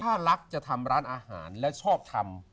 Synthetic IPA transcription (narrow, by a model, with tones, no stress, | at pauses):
t̪ʰaː˥˩la˦˥k̚t͡ɕa˨˩t̪ʰa˧mɾaː˦˥nʔaː˧ha̰ː˩˦nlɛ˦˥t͡ɕʰɔː˥˩p̚t̪ʰa˧m